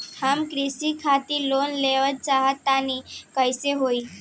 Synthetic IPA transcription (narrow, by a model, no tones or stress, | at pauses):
hamkɾisikʰat̪ilonleʋət̪̚t͡ʃaɦət̪ːanikəjseɦoi